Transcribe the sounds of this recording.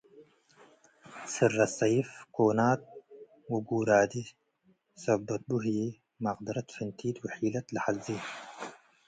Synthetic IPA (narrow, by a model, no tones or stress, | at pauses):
sɨrːɐsɑjifkoːnaːt̪̚ | wuɡuːɾaːd̪i | sɐbɐt̪̚buɦje | maqd̪ɪɾɐt̪fɨnt̪ʰiːd̪wħiːlɐt̪laħaziː